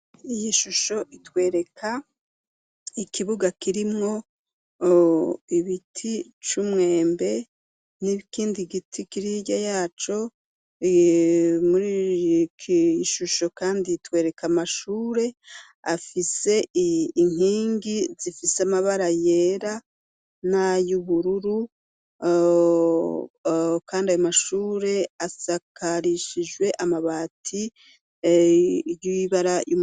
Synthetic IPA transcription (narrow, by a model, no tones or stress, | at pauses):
ijiʃuʃo̞ʔitwe̞ːɾe̞kʰa | ikiβuɡakiɾimŋo̞ | iβitʰit͡ʃumŋe̞ːmbe̞ | nikiːndiɡitʰikiɾiɟajaːt͡ʃo̞ | muɾikʰiʃuʃo̞kaːnditwe̞ːɾe̞kamaʃuːɾe̞ | afise̞ːŋiːŋɡizifiseamaβaɾaje̞ːɾa | najuβuɾuɾu | kʰaːndiajomaʃuːɾe̞asakʰaɾiʃiʒɡwe̞ʔamaβaːtʰi | jiiβaɾajum